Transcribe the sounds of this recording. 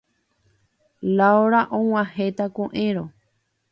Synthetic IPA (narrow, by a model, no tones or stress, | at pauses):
laoɾaʔõw̃ãhet̪akõʔẽɾõ